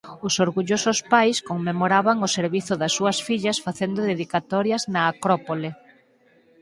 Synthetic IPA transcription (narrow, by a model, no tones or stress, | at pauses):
ʊsoɾɣuʎosʊspajskoŋmemoɾaβaŋoseɾβiθʊðɐsːuɐsfiʎɐsfaθend̪ʊðeðikat̪ɔɾjɐznaːkɾɔpole